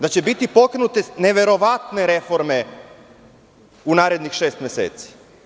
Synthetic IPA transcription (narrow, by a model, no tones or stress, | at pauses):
d̪at͡ɕebit̪ipo̞kɾenut̪ene̞ʋe̞ɾo̞ʋat̪ne̞ɾe̞fo̞ɾme̞ | unaːɾe̞d̪nixʃe̞ːst̪mjesḛːt̪si̥